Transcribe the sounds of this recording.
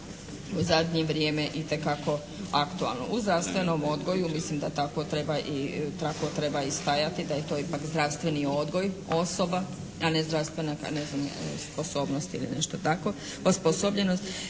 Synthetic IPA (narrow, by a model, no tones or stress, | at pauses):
uzad̪ɲeʋɾjemeʔit̪e̞kako̞ | akt̪ua̰lˠno̰ʔuzd̪ɾaʋst̪ʋe̞nomod̪ɡo̞jumislimd̪at̪ako̞t̪ɾe̞baʔit̪ako̞t̪ɾe̞baist̪ajat̪id̪aje̞t̪o̞ːipakzd̪ɾawst̪ʋe̞nio̞d̪ɡo̞jo̞soba | ane̞zd̪ɾaʋst̪ʋe̞naka̰neznamsposo̞ːbnost̪ḭlḭnḛʃt̪ot̪ako̞ | osposobʎe̞nost̪